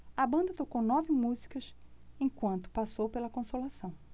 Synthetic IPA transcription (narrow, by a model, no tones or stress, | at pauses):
ɐbɐ̃nd̪ɐt̪okownɔvɪmuzi̥kɐsẽkwɐ̃nt̪ʊ̥pasowpelɐkõsolasɐ̃w̃